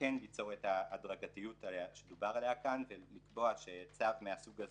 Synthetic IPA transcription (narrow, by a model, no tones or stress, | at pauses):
enlit͡so̞ʁe̞taːdʁaɡatijutaʃedubaʁalejakanvelikbo̞aʃet͡savmeasuɡaz